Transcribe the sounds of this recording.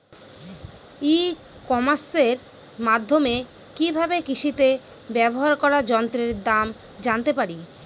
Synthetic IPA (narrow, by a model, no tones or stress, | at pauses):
i | kɔmaɾseɾ | mad̪ʱːome | kibʱabekiʃit̪e | bɛboɦaɾkɔɾad͡ʑɔnt̪ɾeɾd̪am | d͡ʑant̪epaɾi